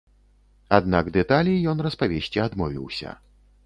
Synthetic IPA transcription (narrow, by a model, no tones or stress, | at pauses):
ad̪naɡd̪ɛt̪alʲijɔnrɐspavʲesʲt͡sʲiad̪mɔvʲḭwsʲɐ̰